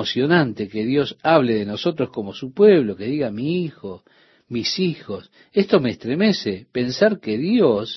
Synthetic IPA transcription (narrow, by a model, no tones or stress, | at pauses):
osjo̞nant̪ekeðjo̞saβ̞leðeno̞sot̪ɾosko̞mo̞supweβlo̞ke̞ðiɣamiixo̞ | misixo̞s | est̪o̞meːst̪ɾemesepensaɾkeðjos